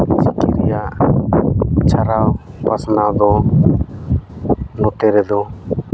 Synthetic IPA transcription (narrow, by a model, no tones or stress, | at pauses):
sikiɾijaʔ | t͡ʃʰaɾawpasnawd̪ɔ | nɔt̪ɛɾɛd̪ɔ